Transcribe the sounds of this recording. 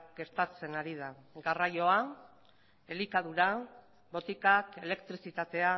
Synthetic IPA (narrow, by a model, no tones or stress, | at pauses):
ɡe̞ɾt̪at͡se̞naɾið̞aɡarajo̞a | e̞likaðuɾa | bo̞t̪ikake̞le̞kt̪ɾisit̪at̪e̞a